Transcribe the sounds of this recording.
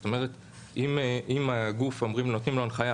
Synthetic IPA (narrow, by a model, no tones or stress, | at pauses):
tome̞ʁet̪ | imʔimaɡufo̞mʁimlot̪imlonχaja